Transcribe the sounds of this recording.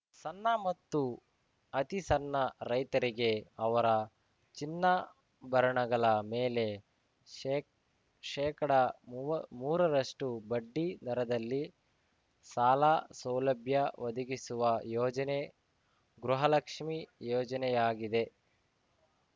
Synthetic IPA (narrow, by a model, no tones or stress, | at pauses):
sɐnːɐmɐt̪ːu | ɐt̪isɐnːɐɾɐjt̪ɐɾiɡe̞ɐʋɐɾɐ | t͡ʃinːɐ | bʱɐɾɐɳɐɡɐɭɐmeːle̞ | ʃɛːkɐɽɐ | muːɾɐɾɐʂʈubɐɖːid̪ɐɾɐd̪ɐlːi | saːlasɐwlɐbʱjɐʋɐd̪ɐɡisuʋɐjɔːd͡ʒɐne | ɡɾuɦɐlɐkʂmijɔːd͡ʒɐnɛjaːɡid̪e̞